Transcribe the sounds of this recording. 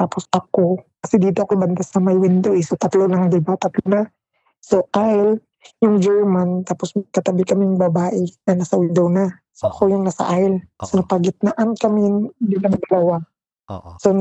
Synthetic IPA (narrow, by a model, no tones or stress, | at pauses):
t̪aːposɐko̞kɐsɛd̪iːt̪oɐkoɪbɐnd̪asɐmɐjwɪnd̪owʔɪsot̪ɐt̪lonɐŋd̪ɐlbat̪ɐt̪lona | soʔaɪl | jʊŋd͡ʒɛɹmant̪aːposmɐɡ̚kɐt̪ɐbɪlkɐmɪjʊŋbɐbaːʔɛnɐnɐsɐwɪnd̪owna | soʔɐko̞jʊŋnɐsɐ̰ʔaɪlsonɐpɐɡɪt̪̚naʔankɐmɪnd̪ɪlɐŋd̪ɐlɐwa | son